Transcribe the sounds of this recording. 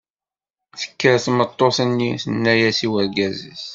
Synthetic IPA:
θə̥kːəɾθmət̪ˤːoθənːiθənːæjæsiwəɾɡæzə̰θ

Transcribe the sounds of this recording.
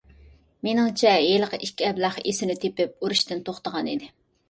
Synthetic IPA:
menɪŋt͡ʃʰɛjeləqʰəʔikʲʰːiɛblˠɑχesɪnɪt̪ʰepɪp̚uɾuʃt̪ɪnt̪ʰoχt̪əʁɑnid̪ɪ

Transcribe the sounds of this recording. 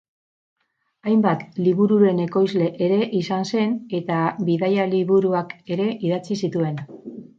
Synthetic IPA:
ajmbat̪liβuɾuɾe̞ne̞ko̞jzle̞ʔeɾe̞ʔisanse̞ne̞t̪aβiðajaliβuɾuake̞ɾe̞ʔiðat͡sisit̪ue̞n

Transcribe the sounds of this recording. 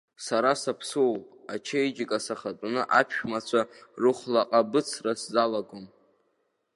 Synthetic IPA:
saɾasapʰsowat͡ʃʰejd͡ʒɪkʼasaχatʼnɨʔapʰʃᶣmat͡ɕʷʰarʊχlaqʼabɨt͡sʰraszalaɡʷom

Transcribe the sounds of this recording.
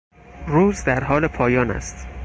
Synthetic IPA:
ɾuːzd̪æɾɦɒːlepʰɒːjɒːnæ̰st̪

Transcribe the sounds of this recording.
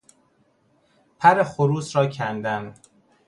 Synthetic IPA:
pʰæɾexoɾuːsɾɒːcʰænd̪æn

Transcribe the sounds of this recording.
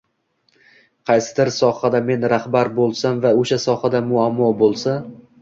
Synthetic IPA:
qʰɑjsɪ̥d̪ɪɾsɒhad̪ame̞nɾahbaɾbolˠsanvaoʃasɒhad̪amʊamːɒbolˠsa

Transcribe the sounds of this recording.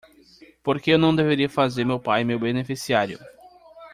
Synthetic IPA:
poɾkeewnɐ̃w̃d̪eveɾiɐfazeɾmewpajmewbenefisiaɾjʊ̰

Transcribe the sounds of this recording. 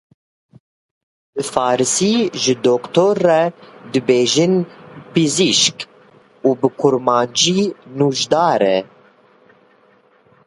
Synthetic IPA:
dɨfɑːɾɨsiːʒɨd̪oːkt̪oɾːɛd̪ɨbeːʒinpɨziʃk | uːbɨkʰuɾmɑːnd͡ʒiːnuʒd̪ɑːɾɛ̰

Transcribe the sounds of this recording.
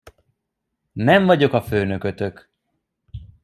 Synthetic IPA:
nɛɱvɒɟo̞kɒføːnø̞kø̞t̪ø̞k

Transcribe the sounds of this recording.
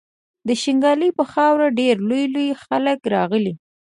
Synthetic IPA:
d̪əʃɪŋɡɑlipəxɑwɾaɖeɾlojlojxaləkɾɑɣəli

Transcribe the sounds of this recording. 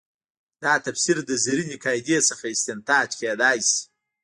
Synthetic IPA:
d̪ɑt̪afsiɾd̪əziɾinɪkɑjd̪esəxaɪst̪ɪnt̪ɑːd͡ʒked̪ɑjsi̥

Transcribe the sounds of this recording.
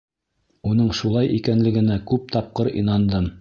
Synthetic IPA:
unɤɴʃulˠɑjʔikænlɘ̆ɡɘ̆nækʉp̚t̪ɑp̚qɤɾḭnɑnd̪ɤm

